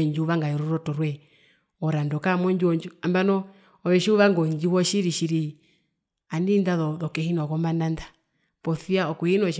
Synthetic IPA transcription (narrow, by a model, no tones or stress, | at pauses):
ɲd͡ʒuuʋaŋɡajɔɾɔɾɔtɔɾwɛ | ɔɾandɔkamɔɲd͡ʒiwɔɲd͡ʒuambanɔ | ɔβɛʃiuʋaŋɡɔɲd͡ʒiwɔʃiɾiʃiɾi | anindaðɔðɔkɛhinɔkɔmananda | pɔθiaɔkuhinɔʃ